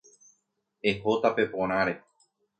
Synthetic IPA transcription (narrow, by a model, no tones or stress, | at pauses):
eɦot̪ape̞põɾ̃ãɾe